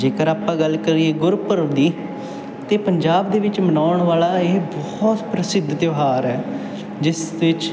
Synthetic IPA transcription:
d͡ʒeːkəɾaːpãːɡəlkəɾieːɡʊɾpəɾd̪iː | t̪eːpəɲd͡ʒaːbd̪eːʋɪt͡ʃmənaːʊɳʋaːlaːeːbɔ | t̪pɾəsɪd̪ʱːt̪joɦaːɾɛː | d͡ʒɪsʋɪt͡ʃ

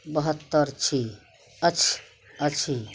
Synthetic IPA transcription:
bəɦət̪ːəɾt͡ʃʰi | ət͡ʃʰ | ət͡ʃʰi

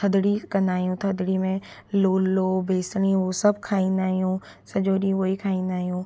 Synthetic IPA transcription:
t̪ʰɐd̪ɽikɐ̃nd̪aːɦijũt̪ʰɐd̪ɽimẽloːllobʱeːsɽ̃iʋosɐbkʰaːĩːnd̪aːɦijũ | sɐd͡ʒoːɗĩʋoːikʰaːĩːn̆d̪aːɦijũː

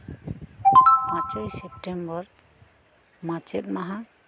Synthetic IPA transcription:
mãt͡ʃajsɛp̚ʈembɔɾ | mãt͡ʃɛt̪̚maɦã

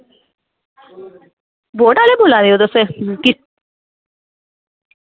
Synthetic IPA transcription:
boːʈalebolad̪iot̪ɔseki

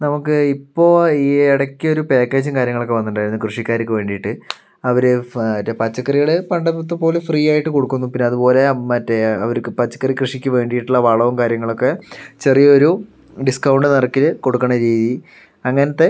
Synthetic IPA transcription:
nɐmukːɨipːo̞ːiːeɽɐkʲːio̞ɾupe̞ːkːe̞ːd͡ʑɨmkaːɾjɐŋːɐɭo̞kːeʋɐnːuɳɖaːjɾunːukrɨʂikʲːaːɾikʲːuʋe̞ːɳɖijʈːɨ | ɐʋɐɾeɐtːepɐt͡ɕːɐkːɐriɣɐɭɨpɐɳɖɐpːɐt̪̬ːupo̞ːlefriːaːjiʈːɨko̞ɽukːunːupinːeɐðupo̞ːle̞mɐtːeɐ̰ʋɐɾukpɐt͡ɕːɐ̥kːɐrikrɨʂikʲːuʋe̞ːɳɖijiʈːuɭːɐʋɐɭɐʋɐmkaːɾjɐŋːɐɭo̞kːe̞t͡ɕe̞rijɐoɾu | ɖiskɐwɳɖɨnɐrɐkːilko̞ɽukːɐɳɐɾiːði | ɐŋːɐnɐt̪ːe

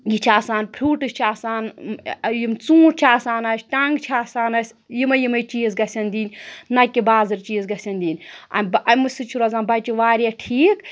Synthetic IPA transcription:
jit͡ʃʰaːsaːnpʰɾʲuːʈɨsʲt͡ʃʰaːsaːnjimt͡sũːɾt͡ʃʰaːsaːnɐsʲʈɐŋɡt͡ʃʰaːsaːnɐsʲ | jimɐjimɐjt͡ʃiːzɡɐsʲɐnʲd̪ʲiːnʲnɐkʲibaːzɨɾt͡ʃiːzɡɐsʲɐnʲd̪ʲiːnʲɐ̰nʲbɐmɨsɨt͡ʃʰuɾɐzaːnbɐt͡ʃiʋaːɾijɐʈʰiːk

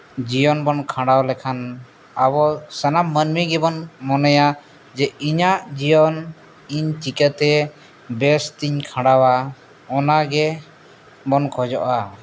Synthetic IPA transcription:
d͡ʒijɔnbɔnkʰãɽawlɛkʰan | abɔsənammənmiɡɛbɔnmɔnɛja | d͡ʒɛiɲaʔd͡ʒijɔn | iɲtikət̪ɛ | bɛst̪iɲkʰãɽawa | ɔnaɡɛ | bɔnkʰɔd͡ʒɔʔa

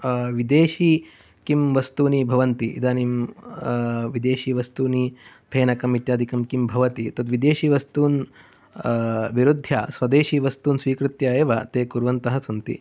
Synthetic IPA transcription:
ʋid̪eːʃiː | kimʋɐst̪uːnibʱɐʋɐnt̪iʔḭd̪aːnim | ʋid̪eːʃiːʋɐst̪uːni | b̥ʱeːnɐkɐmit̪jaːd̪ʱikɐmkimbʱɐʋɐt̪it̪ɐd̪ʋid̪eːʃiːʋɐst̪uːn | ʋiɾud̪ʱːja̰ːsʋɐd̪eːʃiːʋɐst̪uːnsʋiːkɾɪt̪jɐeːʋɐt̪eːkuɾʋɐnt̪ɐɦɐsɐnt̪ḭ

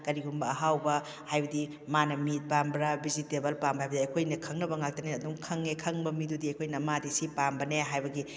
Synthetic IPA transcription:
kɐɾiɡumbɐːɦawbɐ | hajbɐdi | manɐmit̚pambɾabizitebɐlpambɐajbɐdiɐjkʰojnɐkʰɐŋnɐbɐŋak̚tɐneɐduŋkʰɐŋːekʰɐŋbɐmidudiɐjkʰojnɐmadisipambɐneɦajbɐɡi

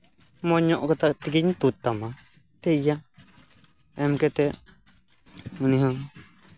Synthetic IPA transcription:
mɔɲɔʔkɔt̪at̪ikiɲt̪ut̪ːama | t̪ɛija | ɛmkɛt̪ɛ | unĩɦã

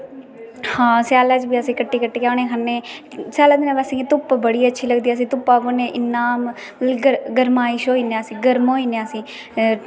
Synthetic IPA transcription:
hãːsjaːlaːd͡ʒbiːəsĩːkəʈːiːkəʈːiːkjaːneːkʰənːeːsjaːlad̪inãːbəsĩːɡet̪ʊpːbəɽiːətːʃʰiːləɡd̪iːaːs̬ĩːt̪ʊpːaːboːnẽːʔɪnːaːm | ɡəɡəɾmaːɪʃoːiːneːasĩːɡəɾmɦoːiːneasĩː

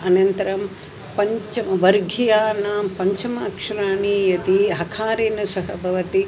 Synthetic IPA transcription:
ɐnɐnt̪ɐɾɐm | pɐɲt͡ʃɐmʋɐɾɡʱijaːnaːmpɐɲt͡ʃɐmɐːkʂɐɾaːɳijɐt̪iɦɐkʰaːɾeːnɐsɐɦɐbʱɐʋɐt̪i

